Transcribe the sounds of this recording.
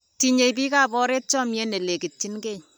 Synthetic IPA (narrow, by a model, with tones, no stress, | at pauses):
ti˨ɲe˨jpi˦ka˨pɔ˦ɾeː˦t̚t͡ʃɔ˦mjɛ˦ne˨le˨ki˨t̚t͡ʃi˦nke˦˨ɲ